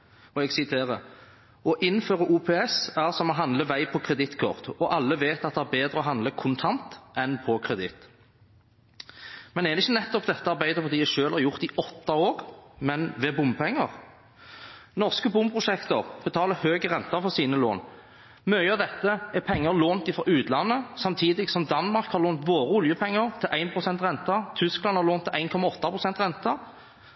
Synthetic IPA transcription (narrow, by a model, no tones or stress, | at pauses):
ɔɛɡsɪt̪ʰeːʁə | ɔʔɪnːføːʁəʔuːpʰɛːɛsæːʁsɔmɔɦɑnd̪ləʋæɪpʰɔkʰɾɛd̪ɪt̪kʰɔ̰ʁt̪ɔʔɑlːəʋeːt̪ɑt̪d̪ɛæɾbeːd̪ʁəɔɦɑnd̪ləkʰʊnt̪ʰɑnt̪ʔɛnpʰɔkʰʁɛd̪ɪt̪ː | mɛnd̪ɛːd̪ɛɪçːənɛt̪ːɔpd̪ɛt̪ːəɑʁbæɪd̪əfɔʁd̪iːæʃøːlhɑɾʁjʊʁt̪ɪʔɔt̪ːɑoːɾmɛnʋɛbʊmpʰɛŋːəʁ | nɔʁskəbʊmpʰɾʊʂɛkt̪əʁb̥ət̪ʰɑːləhøːɡəʁɛnt̪ɑfɔʁsiːnəlo̰ːn | mœʏɑd̪ɛt̪ːəɛpʰɛŋːəloːnt̪ɪfɾɔʔʉːt̪lɑnːəsɑmt̪ʰiːd̪ɪɡsɔmd̪ɑnmɑɾkhɑɾloːnt̪ʋoːɾəʊljəpʰɛŋːəʁt̪ʰɪlʔæɪnpʰʁʊsɛnt̪ʁɛnt̪ɑt̪ʰʏsklɑnhɑɾloːnt̪ʰːɪæɪnkʰɔmɑɔt̪ːɑpʰʁʊsɛnt̪ʁɛnt̪ɑ